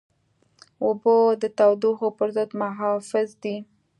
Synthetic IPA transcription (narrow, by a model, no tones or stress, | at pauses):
ʊbod̪ət̪awd̪uxopəɾzəd̪maɦɑfɪzd̪i